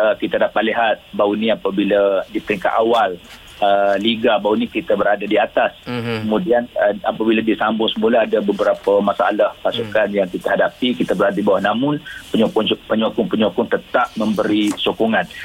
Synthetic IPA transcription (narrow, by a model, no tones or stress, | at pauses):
əkit̪adapaʔ̪̚liɦat̪̚bauniapabiladip̪əɾiŋka̰ʔ̪awal | əliɡabaunikit̪abəɾadadiat̪askəmũdianəapabiladisambʊŋsəmulaadabəbəɾapamasa̰lahpasukanjaŋkit̪aɦadapikit̪abəɾadaibawanamʊnpəɲokʊŋpəɲɔkʊŋpəɲokʊŋt̪ət̪ap̚mə̃mbəɾisokuŋan